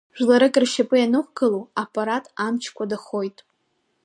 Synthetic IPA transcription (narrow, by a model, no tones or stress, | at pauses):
ʒᶣlaɾɨkʼɨrʃapʼɨjanɨχʷɡaluapʼaɾatʼamt͡ʃʰkʷʰadaχo̞jtʼ